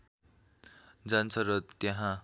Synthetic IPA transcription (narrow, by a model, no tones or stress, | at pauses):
d͡zant͡sʰʌrʌt̪jaɦã